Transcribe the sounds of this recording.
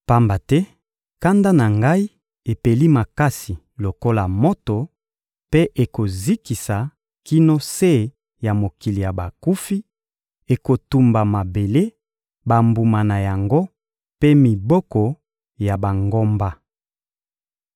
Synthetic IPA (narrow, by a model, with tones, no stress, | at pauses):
pa˦mba˨tɛ˦ | ka˦nda˦na˨ŋɡa˦i˦ | e˨pe˨li˦ma˨ka˦si˨ | lo˨ko˦la˨mo˦to˨ | pe˦ʔe˨ko˨zi˦ki˨sa˨ | ki˦no˦se˦˨ | ja˨mo˨ki˨li˨ja˨ba˨ku˦fi˦ | e˨ko˨tu˨mba˨ma˨be˨le˦ | ba˨mbu˨ma˨na˨ja˨ŋɡo˦ | pe˦mi˨bɔ˦kɔ˨ | ja˨ba˨ŋɡo˦mba˦